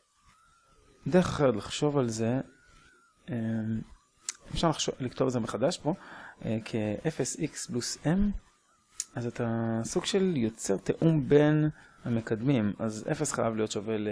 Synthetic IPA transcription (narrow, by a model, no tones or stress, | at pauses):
d̪eeχḁχet̪laχʃo̞valze̞ | em | efʃaʁlaχolikt̪ovalzemeχad̪aʃbo̞kʰeʔefesiksplusem | azat̪asuɡʃe̞ljo̞t͡se̞ʁt̪eʔumbe̞nhame̞kad̪mimazḛfesχajavlijo̞t̪ʃavel